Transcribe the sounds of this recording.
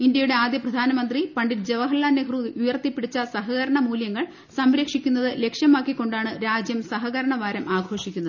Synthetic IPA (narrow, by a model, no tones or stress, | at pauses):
ind̪jɐjuɽe̞aːd̪jɐprɐd̪ʱaːnɐmɐnd̪ripɐɳɖiɾd͡ʑe̞ʋɐɦɐlːaːnːekruujɐrt̪ːipːiɽit͡ɕːɐsɐɦɐɣɐɾɐɳɐmuːljɐŋːɐɭ | sɐmɾɐkʂikʲːunːɐðɨle̞kʂjɐmaːkːikːo̞ɳɖaːɳɨɾaːd͡ʑjɐmsɐɦɐɣɐɾɐɳɐʋaːɾɐmʔaːɡʱo̞ːʂikʲːunːɐðɨ